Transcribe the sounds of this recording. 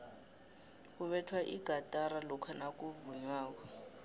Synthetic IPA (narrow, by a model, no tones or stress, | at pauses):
kuɓɛtʰwaʔiɡ̥ʱatʼaɾalɔkʰanak̬ʼuvuɲwaːk̬ɔ